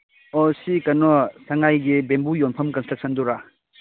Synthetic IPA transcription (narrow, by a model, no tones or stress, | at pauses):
ɔsikɐnɔsɐŋajɡibembujonpʰɐmkɐnstɾɐk̚sʰɐnduɾa